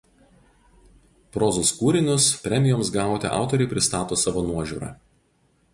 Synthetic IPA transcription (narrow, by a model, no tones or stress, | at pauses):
pɾɔːzʊskuːɾʲɪnʲʊspʲɾʲɛmʲɪjoːmsɡɑˑʊt̪ʲɛ̰ʔɑ̰ˑʊt̪ɔɾʲɛɪpʲɾʲɪst̪ɑːt̪oːsɑːʋoːnuɔʒʲṵːɾɑ̰ː